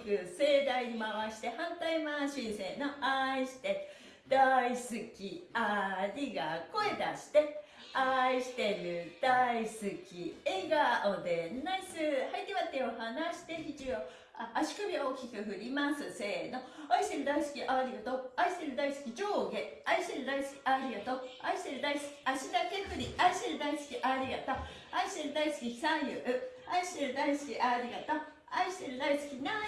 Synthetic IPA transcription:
kɯ̟se̞d̪aiɲ̟imaβaɕi̥t̪e̞hãnt̪aimaɕĩɰ̃se̞ːnoaiɕi̥t̪e̞ | d̪̥aisɨkʲiaɾʲiɡako̞e̞d̪aɕi̥t̪e̞ | aiɕi̥t̪e̞ɾɯ̟d̪̥aisɨkʲieɡaod̪e̞nnasɨhait̪ːeβat̪ːeohanaɕi̥t̪e̞çit͡ɕio | aaɕi̥kɯ̟bʲio̞ːkʲikɯ̟ɸɯ̟ɾʲimasɨse̞ːnoaiɕi̥t̪eɾɯ̟d̪aisɨ̥kʲiʔaɾʲiɡat̪oaisi̥t̪eɾɯ̟d̪aisɨ̥kʲid͡ʑoɡeaiɕt̪eɾɯd̪aisɨ̥kʲi̥aɾʲiɡat̪oaiɕi̥t̪eɾɯ̟d̪aisɨ̥kʲi̥ʔaɕid̪akeɸɯ̟ɾʲiaiɕi̥t̪eɾɯ̟d̪aisɨ̥kʲiʔaɾʲiɡat̪o | aiɕi̥t̪eɾɯ̟d̪aisɨ̥kʲisãjɯɯaiɕi̥t̪eɾɯ̟d̪aisɨ̥kʲiʔaɾʲiɡat̪a | aiɕi̥t̪eɾɯ̟d̪aisɨ̥kʲina

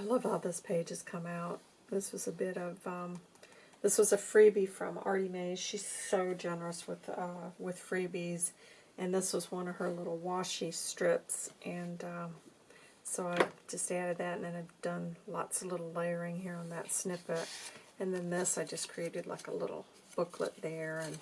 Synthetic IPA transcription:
aɪlʌvɔlˠðoz̥pʰeɪd͡ʒɨz̥kʰʌ̃maʊt̪̚ | ðɪswʌzɨbɪɾʌvʌ̃m | ðɪswʌzɨfɹibifɹʌ̰̃mɑ̰ɹɾimeɪz̥ʃisoʊd͡ʒɛnə˞ɨswɪð̥ʌwɪð̥fɹibiz | ʔɨ̃nðɪswʌzwʌ̃nʌv̥ə˞lɪɾl̩ˠwɑʃistɹ̥ɪpsʔɨ̃nʌ | soʊaɪvd͡ʒʌstæɾɨd̪̚ðɨtɨ̃n̩ðɨ̃naɪvd̥ʌ̃nlɑ̰tsʌv̥lɪɾl̩ˠleɪə˞ɪ̃ŋhiɹə̃nðɨtsnɪpəɾɨ̃nðɨ̃nðɪsaɪd͡ʒʌskʰɹ̥ieɪɾɨdˡla̰ɪkə̰lɪ̰ɾl̩ˠ | b̥ʊkʰlə̰t̪̚ðə˞ɨ̃n

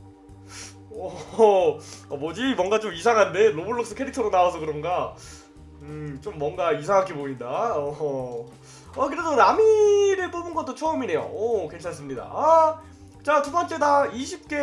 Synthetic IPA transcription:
ʌ | abod͡ʑimwʌŋɡat͡ɕomis̬ʰaŋɦande̞loboɭːʌks͈ɯ̥kʰeɾik̚tʰʌɾonaosʰʌkɯɾʌnɡa | ɯt͡ɕomːʌŋɡaisʰaŋɦak͈ʰepoindaʌ | akɯɾesʰoɾamiɾɯɭpomɯnɡʌt͈ot͡ɕʰʌɯmine̞jo̰ʌke̞nt͡ɕʰans͈ɯmɲida̰a | t͡ɕatubʌnt͡ɕ͈e̞daiɕʰip̚k͈e̞

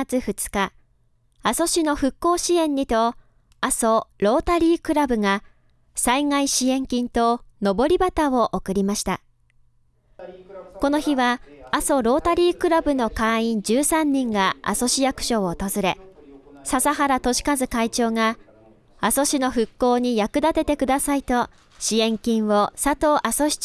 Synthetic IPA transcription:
at͡sɨɸɯ̟t͡sɨ̥ka | aso̞ɕino̞ɸɯ̟kːo̞ːɕiẽ̞ɲ̟ːit̪o̞ | aso̞ɾo̞ːt̪aɾʲiːkɯ̟ɾabɯ̟ŋa | saiŋaiɕiẽ̞ŋkʲĩnt̪o̞no̞bo̞ɾʲibat̪aoʔokɯ̟ɾʲimaɕi̥t̪a | ko̞no̞çiβaaso̞ɾo̞ːt̪aɾʲiːkɯ̟ɾabɯ̟no̞kãĩɲ̟d͡ʑɨːsãɲ̟ːĩŋɡaa̰so̞ɕijakɯ̥ɕo̞ot̪ozɨɾe̞sasaɦaɾat̪o̞ɕi̥kazɨkait͡ɕo̞ːŋa | aso̞ɕino̞ɸɯ̟kːo̞ːɲ̟ijakɯ̟d̪at̪e̞t̪e̞kɯ̟d̪asait̪o̞ | ɕiẽ̞ŋkʲĩɰ̃βo̞sat̪o̞ːʔaso̞ɕi̥

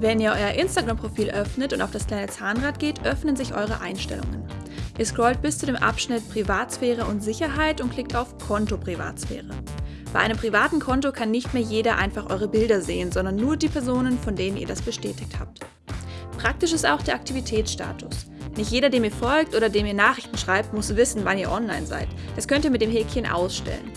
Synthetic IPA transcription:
vɛniːɐʔɔʏɐʔɪnstaɡʁampʁ̥ofiːlʔœfnətʊntaʊfd̥askl̥aɪnət͡saːnʁaːt̚ɡ̥eːtʔœfnənzɪçʔɔ̰ʏʁ̞ə̰ʔa̰ɪnʃtɛ̰lʊ̰ŋə̰n | ʔiːɐskʁ̥ɔlt̚b̥ɪst͡sudeːmʔa̰pʃnɪt̚pʁ̥ivaːtsfɛːʁ̞əʊntz̥ɪçɐɦaɪtʊnt̚kʰl̥ɪk̚taʊfkʰɔntopʁ̥iva̰ːtsfɛ̰ːʁ̞ə̰ | baɪʔaɪnəmpʁ̥ivaːtn̩kʰɔntokʰanːɪçtmeːɐjeːɾɐʔa̰ɪnfaχʔɔʏʁ̞əbɪldɐzeːənzɔndɐnːuːɐdiːpʰɛɐzoːnənfɔndeːnənḭːɐdasb̥əʃtɛːtɪçtha̰ːp̚t | pʁ̥ak̚tɪʃɪstaʊxd̥eːɐʔak̚tʰivitʰɛːsʃta̰ːtʊs | nɪçtjeːɾɐdeːɐmiːɐfɔlk̚tʔoːɾɐdeːmiːɐnaːχɪçtn̩ʃʁ̥aɪp̚tmʊsv̥ɪsn̩vaniːɐʔɔnlaɪnza̰ɪtd̥askʰœntiɐmɪtd̥eːmɦɛkçənʔa̰ʊsʃtɛ̰lə̰n

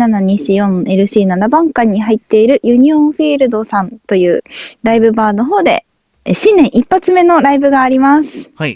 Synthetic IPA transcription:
anaɲ̟iɕijõ̞ne̞ɾɯ̟ɕiːnaɾabãŋkaɲ̟ːiɦait̪ːe̞iɾɯ̟jɯ̟ɲ̟iõɸiːɾɯ̟d̪o̞sãnt̪o̞jɯ̟ːɾaibɯ̟baːno̞ɦo̞ːd̪e̞̰ | ɕĩnːẽ̞ɰ̃ʔipːat͡sɨme̞no̞ɾaibɯ̟ɡaːɾʲimasɨ̥

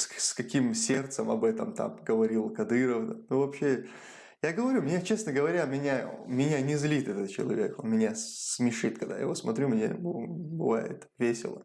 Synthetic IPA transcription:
sskɐkʲimsʲe̞rt̪səmɐbɛt̪əmt̪a̰mɡəvɐɾʲilˠkɐd̪ɨɾəfd̪anovɐpɕe | jaɡəvɐɾʲumʲnʲat͡ɕe̞snəɡəvɐɾʲamʲɪnʲamʲɪnʲanʲɪzlʲit̪ɛt̪ət̪̚t͡ɕɪ̰lˠɐ̰vʲe̞ko̰nmʲɪnʲasmʲɪʂɨt̪kɐɡd̪a̰j̰ɪvosmɐt̪ɾʲumnʲḛbbɨ̰va̰jɪ̰t̪vʲesʲɪ̰lˠə̰

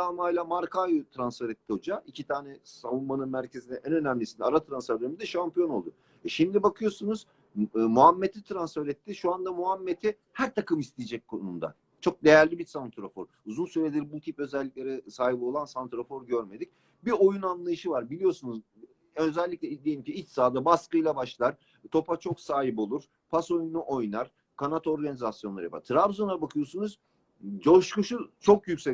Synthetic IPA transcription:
amajlʲˠamaɾkajut̪ʰɾansfeɾɛt̪ʰːiho̞d͡ʒaicʰit̪ʰaːnɛsavunmanɯnmæɾcʰe̞zinɛʔænø̞næmlʲisind̪aɾat̪ʰɾansfæɾd̪ømid̪ɛʃampijo̞no̞lˠd̪ʊ | ɛʃimd̪ibakʰɯjo̞sunuz̥ | muɦamːet̪ʰit̪ʰɾansfeɾɛt̪ʰːiʃuand̪amuɦamːet̪ʰi | hæɾt̪ʰakɯmist̪ʰijed͡ʒɛc̚kʰo̰numd̪a̰ | t͡ʃʰo̞k̚d̪e̞jæɾlʲibiɾsant̪ʰɾofo̞̰ɾ | uzunsyɾed̪iɾbut̪ʰipø̞zɛlʲːic̚lʲe̞ɾɛsaːɦibo̞lˠansant̪ɾo̞fo̞ɾɟøɾme̞d̪ic | bio̞junanlˠajɯʃɯvaɾbilʲijo̞sunuz | ø̞zɛlʲːic̚lʲɛd̪ejimcʰiit͡ʃsaːd̪abaskɯjlˠabaʃlˠaɾ | t̪ʰo̞pat͡ʃʰo̞ksaːɦibo̞lˠuɾ̥ | pʰaso̞jnnuʔo̞jnaɾ | kʰanat̪ʰo̞ɾɡanizasjonˠaɾɯva̰ɾt̪ʰɾabzonabakʰɯjo̞sunuz̥ | d͡ʒo̞ʃkuʃut͡ʃʰo̞kjycsɛ

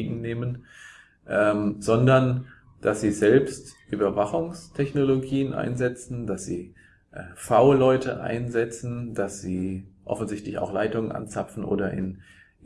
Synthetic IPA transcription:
ɡŋ̩neːmən | ʔɛːmzɔndɐn | d̥asz̥iːzɛlpstʔyːbɐvaχʊŋstʰɛçnoloɡiːənʔa̰ɪnzɛt͡sn̩d̥asz̥ḭː | ʔɛːfaʊlɔʏtʰəʔa̰ɪnzɛt͡sn̩d̥asz̥iːʔɔ̰fn̩zɪçtlɪça̰ʊxlaɪtʊŋənʔa̰nt͡sapfn̩ʔo̰ːdɐʔɪ̰n

